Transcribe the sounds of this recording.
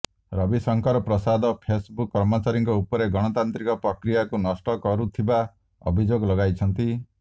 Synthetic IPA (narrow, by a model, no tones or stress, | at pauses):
ɾɔbisɔŋkɔɾɔpɾɔsad̪ɔpʰesbukːɾɔmɔt͡ʃaɾiŋkɔupɔɾeɡɔɽ̃ɔt̪ant̪ɾikɔpɾɔkɾijakunɔsʈɔkɔɾut̪ʰiba | ɔ̰bʱid͡ʒoɡɔlɔɡajt͡ʃʰɔnt̪i